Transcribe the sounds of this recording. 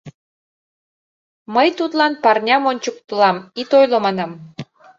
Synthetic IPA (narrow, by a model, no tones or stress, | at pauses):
məjt̪ut̪lɑnpɑrnʲɑmonʲt͡ɕək̚t̪əlɑmit̪ojlomɑnɑm